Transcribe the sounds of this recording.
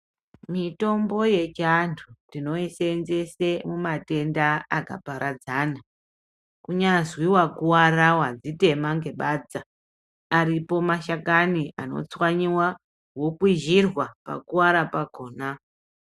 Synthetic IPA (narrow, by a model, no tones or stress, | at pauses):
mito̞mbo̞je̞t͡ʃantʰutino̞isenze̞semumate̞ndaaka̰paɾad͡zana | kuɲazwiwakuwarawad͡zite̞maŋɡe̞ɓaːd͡zaː | ɾipo̞maʃakania̰no̞̰t͡swaɲiwa | wo̞kwiʒirwapa̰kuwaɾapakoːna